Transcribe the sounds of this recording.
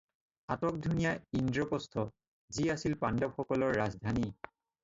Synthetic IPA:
atɔk̚dʱunijaindɹɔpɔstʰɔ | ziasilpandɔbxɔkɔlɔɹːazdʱani

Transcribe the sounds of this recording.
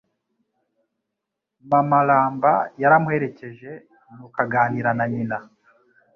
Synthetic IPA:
mamalaːmbajaɾamuhe̞ɾe̞ce̞ʒe̞ | nukaɡaːniɾanaɲina

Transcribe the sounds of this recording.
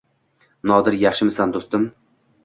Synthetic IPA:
nɒd̪ɪɾjaχʃɪmɪsand̪ost̪ɪm

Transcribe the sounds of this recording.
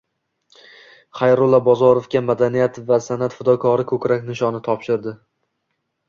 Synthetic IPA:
χajɾʊlˠabɒzɒɾofkʲamad̪anijat̪vasanat̪fɪd̪ɒkʰɒɾɪkʰɵkʲɾakʲnɪʃɒnɪt̪ʰɒpʃɪɾd̪ɪ

